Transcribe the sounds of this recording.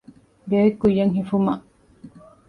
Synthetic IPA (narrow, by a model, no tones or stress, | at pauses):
ɡeːikːujːɐŋɦifumɐʔ